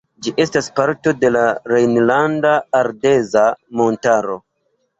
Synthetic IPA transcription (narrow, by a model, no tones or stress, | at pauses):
d͡ʒiʔe̞staspaɾto̞de̞laɾejnlandaːɾde̞zamo̞ntaɾo̞